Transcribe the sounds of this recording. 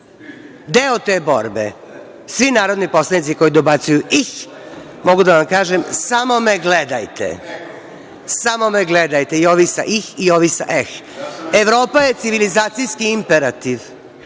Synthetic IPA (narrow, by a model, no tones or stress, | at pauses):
d̪eot̪e̞ːbo̞̰ɾbḛ | sʋinaːɾod̪nipo̞slˠanit̪iko̞jid̪o̞bat̪sujuʔix | mo̞ɡud̪aʋamkaːʒemsamo̞me̞ɡled̪ajt̪ḛ | samo̞meɡled̪ajt̪eioʋisa̰ʔixioʋisa̰ʔexeʋɾo̞ːpaje̞t̪siʋilizaːt̪sijskiimpeɾat̪iʋ